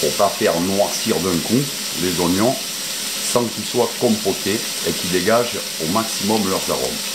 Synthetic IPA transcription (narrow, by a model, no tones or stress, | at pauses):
puʁpafɛʁnwaʁsiʁd̪ɛ̃ku | lezɔnjɔ̃ | sɑ̃kilswakɔ̃pote | ekid̪eɡaʒ | omaksimɔmlœʁza̰ʁɔ̰m